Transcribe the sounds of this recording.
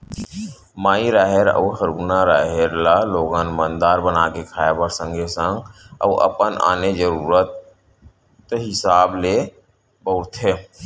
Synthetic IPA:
maːiɾaːɦeɾə̰ːɦəɾuːnaɾaːɦeɾlaloːɡaːnmənd̪aːɾbənaːkekʰaːjebəɾsə̃ŋɡʱesə̃ŋɡə̰ːʔə̰pənʔa̰ːned͡ʒəɾuːɾət̪ | ɦɪsaːble | bəʊɾt̪ʰɦeː

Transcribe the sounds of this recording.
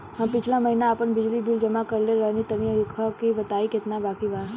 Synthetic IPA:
ɦɐmpɪt͡ʃʰlamɐɦinaːpənbɪd͡ʒlibild͡ʒɐmakəɾleɾɛɦnit̪əniəkʰakiʋɐt̪aːikɪt̪nabaːkibaːɾ

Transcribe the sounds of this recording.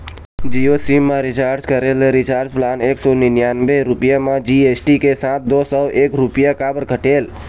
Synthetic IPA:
d͡ʒiosimːãɾit͡ʃaɾd͡ʒkəɾelɾit͡ʃaɾd͡ʒplaneksoninjanbeɾupjamãd͡ʒiesʈikesãt̪̚d̪ɔsəʋʔekɾupjakabəɾkəʈel

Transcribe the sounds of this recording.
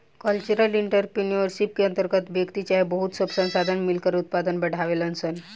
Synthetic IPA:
kəlt͡ɕuɾəliɳʈəɾpiniəɾsip̚kiənt̪əɾɡət̪bʱjəkt̪it͡ɕaɦebəɦut̪səbsə̃ñsad̪ʱanmilkəɾut̪̚pad̪ənbəɽ̤ʱaʋelənsən

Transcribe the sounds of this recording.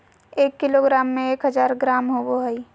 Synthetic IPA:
eːkːɪloɡɾaːmːẽeːkɦəzaːɾɡɾaːmɦoboɦɛi

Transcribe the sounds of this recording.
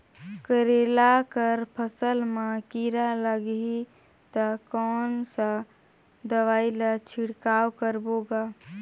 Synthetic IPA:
kəɾeːlakəɾpʰəsəlmãkiɾaləɡɦi | t̪əkɔːnsa | d̪əʋaːilat͡ʃʰiɽkaːwkəɾboːɡaː

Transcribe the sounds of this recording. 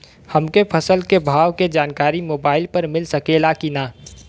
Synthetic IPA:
hɐmkepʰɐsəlkebʱaːʋked͡ʒaːnkaːɾimoːbaːɪlpɐɾmɪlsɐkeːlakinaː

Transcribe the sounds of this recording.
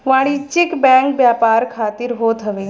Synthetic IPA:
ʋaːɽ̃it͡ʃɪkbɛ̃ːŋk̚bjaːpaːɾkʰaːt̪iɾɦoːt̪ɦɐʋeː

